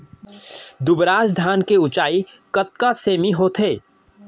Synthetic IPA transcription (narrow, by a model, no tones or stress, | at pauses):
d̪ʊbɾaːsd̪ʱaːnkeʊt͡ʃaːi | kət̪̚kaseːmiɦot̪ʰeː